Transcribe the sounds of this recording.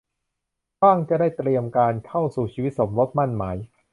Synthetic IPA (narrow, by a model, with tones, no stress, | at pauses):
baː˥˩ŋt͡ɕa˨˩daː˥˩jt̪ɾi˧əmkaː˧nkʰa˥˩wsuː˨˩t͡ɕʰiː˧wi˦˥t̪̚so˩˦mɾo˦˥t̪̚ma˥˩nmaː˩˦j